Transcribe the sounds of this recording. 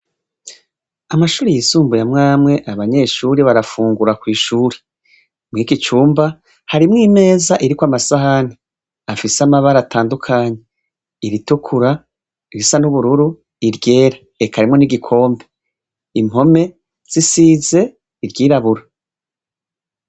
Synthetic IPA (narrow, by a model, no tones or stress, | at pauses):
amaʃuːɾejisuːmbujamŋaːmŋe̞ʔaβaɲe̞ːʃuɾiβaɾafuːŋɡuɾakwiːʃuːɾe̥ | mŋikit͡ʃuːmba | haɾimŋiːme̞ːzaʔiɾikwamasaɦane | afisamaβaɾataːndukʰaːɲe | iɾitukʰuɾa | iɾisanuβuɾuɾu | iɾɟe̞ːɾa | ekʰaɾimŋo̞niɡikʰo̞ːmbe | imho̞me̞ | z̥isiːze̞ | iɾɟiːɾaβuɾa